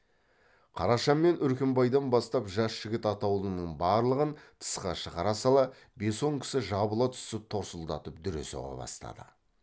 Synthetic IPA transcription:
qʰɑɾɑʃɑnmːe̞nʔʏɾkʲembɑjd̪ɑnbɑst̪ɑpʒɑsʒ̥ɪɡʲɪt̪ɑt̪ɑwlˠənəɴbɑɾlˠəʁənt̪ʰə̥sqɑʃəʁɑɾɑsɑlˠɑ | be̞so̞ŋkʲʰɪ̥sɪʒɑbəlˠɑt̪ʰʏ̥sɪp̚t̪ʰo̞ɾsəlˠd̪ɑt̪əp̚d̪ʏɾe̞̰so̰ʁɑ̰bɑ̰st̪ɑ̰d̪ə̰

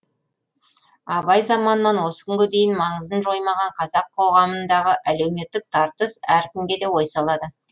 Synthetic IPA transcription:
ɑβɑjzɑmɑnəːɑnwo̞sə̥kʲʰʏŋɡʲɪd̪e̞jɪnmɑɴəzd̪ənʒo̞jmɑʁɑɴqʰɑzɑqʰo̞ʁɑmənd̪ɑʁəʔæle̞wme̞t̪ːɪk̚t̪ʰɑɾt̪əsæɾkʲɪmɡʲe̞d̪e̞wo̞jsɑlˠɑd̪ə

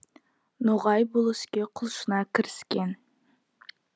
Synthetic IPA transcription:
nuʁɑjbʊlˠəskʲeqʰʊlˠʃənɑkʲʰɪɾɪskʲen

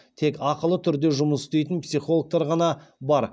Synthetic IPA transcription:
t̪ʰe̞kɑqəlˠət̪ʰʏɾd̪e̞ʒʊməsʏ̥st̪e̞jt̪ənpsiχo̞lˠək̚t̪ɑɾʁɑnɑbɑɾ

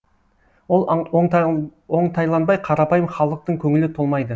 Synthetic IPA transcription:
wolˠ | o̞ɴt̪ʰɑjlˠɑnbɑjqʰɑɾɑpɑjəmχɑlˠəq̚t̪əɴkʲʰɵŋɪlɪt̪ʰolˠmɑjd̪ə

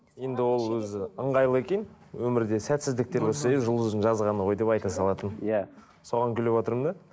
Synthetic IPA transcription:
je̞nd̪ɪwo̞lˠwɵzɪəɴʁɑjlˠəe̞kʲe̞nwɵmɪɾd̪e̞sæt̪sɪzd̪ɪk̚t̪e̞ɾboseeʒəlˠʒəzɪnʒɑzʁɑnəʁo̞jd̪e̞pɑjt̪ɑsɑlˠɑt̪ənja | so̞ʁɑŋkʲʰʏle̞pwot̪əɾmnd̪ɑ

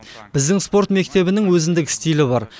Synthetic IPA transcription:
bɪzd̪ɪŋspo̞ɾt̪me̞k̚t̪e̞bɪnɪŋwɵzɪnd̪ɪkʲɪst̪ijlɪbɑɾ

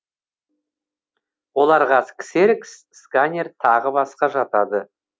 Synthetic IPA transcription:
wo̞lˠɑɾʁɑskʲseɾks | skanʲert̪ʰɑʁəbɑsqɑʒɑt̪ɑd̪ə

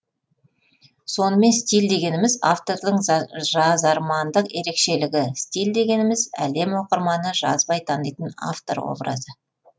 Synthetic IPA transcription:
so̞nəme̞nst̪ʲild̪e̞ɡʲe̞nɪmɪza̰ft̪o̞ɾd̪əɴʒɑzɑɾmɑnd̪əqe̞ɾe̞kʃe̞lɪɡʲɪst̪ʲild̪e̞ɡʲe̞nɪmɪzæ̰le̞mwo̞qəɾmɑnəʒɑ̰zbɑjt̪ʰɑnəjt̪əna̰ft̪o̞̰ɾwo̞̰bɾɑ̰zə

